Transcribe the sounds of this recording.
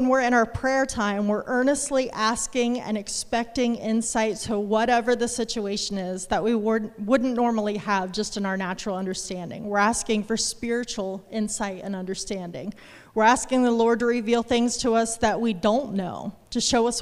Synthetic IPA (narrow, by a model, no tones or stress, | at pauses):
nwɪɹɨ̃ɾ̃aʊə˞pʰɹ̥ɛɹtʰãɪ̃mwɪɹʔɜ̃˞nɨstˡliʔæskɪ̃ŋɨ̰̃nɨkspɛk̚tɪ̃ŋɪ̃nsaɪtʰəwʌɾɛvə˞ðɨsɪt͡ʃueɪʃɨ̃nɪzðəʔ̚wiwʊdⁿn̩wʊdⁿn̩nɔɹml̩ˠiəvd͡ʒʌstɨ̃naʊə˞næt͡ʃɹl̩ˠʌ̃ndə˞stæ̃ndɪ̰̃ŋwɪɹæskɪ̃ŋfə˞spɪɹɨt͡ʃl̩ˠɪ̃nsaɪɾɨ̰̃nʌ̃ndə˞stæ̃ndɪ̰̃ŋ | wɨɹæskɪ̃ŋðəlɔɹdə˞ivilˠθɪ̃ŋz̥tʰəʌsðɨʔ̚widõʊ̃nːoʊɾɨʃoʊʌs